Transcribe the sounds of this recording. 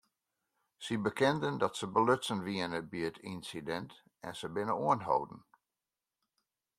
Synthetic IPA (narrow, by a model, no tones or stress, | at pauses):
sibəkɪndəndɔtsəbəløtsənʋiənəbiətʰinsidɛnt | ɛnsəbɪnəuənɦo̰wdn̩